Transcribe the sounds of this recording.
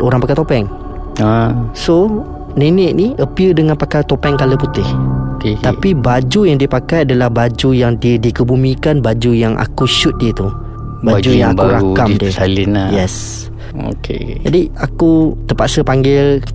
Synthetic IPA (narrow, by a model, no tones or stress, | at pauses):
oɾaŋpakajt̪opɛŋ | aso | nenəʔniəpiədəŋãnpakajt̪opɛŋkaləput̪ɪhokeapibad͡ʒujaŋdiəpakajadalahbad͡ʒujaŋdiədikəbumĩkanbad͡ʒujaŋʔa̰kuʃut̪̚diət̪u | bad͡ʒujaŋŋauɾakamdiəalinajɛs | o̰kʰḛd͡ʒadiakut̪əpaʔsəpaŋɡɪl